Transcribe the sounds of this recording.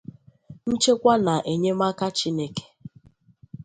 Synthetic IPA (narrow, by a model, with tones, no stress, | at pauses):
n̩˦t͡ʃe˦kʷa˦na˨ʔe˨ɲe˦ma˦ka˦t͡ʃi˦ne˦ke̥˦